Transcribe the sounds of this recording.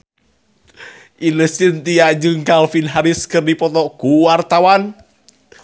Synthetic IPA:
ʔiləsɪnt̪ijaɲd͡ʒəŋkalfinɦaɾɪskərnipɔt̪ɔɡ̥uwart̪awan

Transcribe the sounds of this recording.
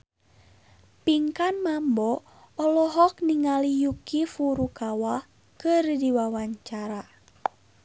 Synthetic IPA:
piŋkanmambɔ | ɔlɔɦɔkniŋalijukifuɾukawa | kɨrdiwawaɲt͡ʃaɾa

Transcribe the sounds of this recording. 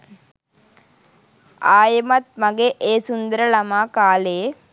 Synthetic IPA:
aːjɐmɐt̪̚mɐɡeʔeːsund̪əɾəlɐmaːkaːleː

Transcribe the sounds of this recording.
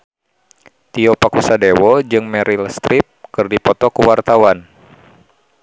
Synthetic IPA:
t̪iɔpakusadewɔd͡ʒɨŋmɛɾilst̪ɾip̚kɨrdipɔt̪ɔkuwart̪awan

